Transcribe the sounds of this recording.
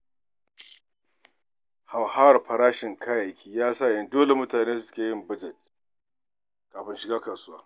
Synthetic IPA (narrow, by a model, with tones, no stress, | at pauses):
ha˨wha˦˨rɸɐ˨ɾaː˦ʃɪ˨ŋkʰaː˦ja˨kʲʰiː˦jaː˦sa˦˨jɐ˦ndoː˦le˨mʊ˦taː˨neː˦sʊ˦sʊ̥˦kʲeː˨jɪ˦mbɐ˦d͡ʒɛ˨t̚ | kaː˨ɸɪ˦nʃɪ˨ɡaː˦kɐ˨sʊ˦waː˦